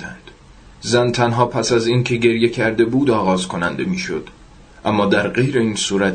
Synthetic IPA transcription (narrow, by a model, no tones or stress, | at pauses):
d̪æ̰nd̪̥ | zænt̪ʰænɦɒːpʰæsæziːncʰe̞ɟe̞ɾje̞cʰæɾd̪e̞buːd̪ɒːɣɒːzkʰo̞nænd̪e̞miːʃo̞̰d̪̥ | ʔæmːɒːd̪æɾɢe̞jɾe̞iːnsuːɾæt̪